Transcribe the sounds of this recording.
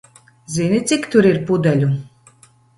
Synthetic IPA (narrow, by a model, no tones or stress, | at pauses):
zʲinʲit̪sʲikt̪uɾiɾpud̪ɛlʲu